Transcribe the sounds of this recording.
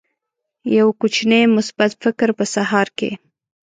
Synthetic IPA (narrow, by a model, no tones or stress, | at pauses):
jawkut͡ʃnemʊsbat̪fɪkɾpəsaɦɑɾkḛ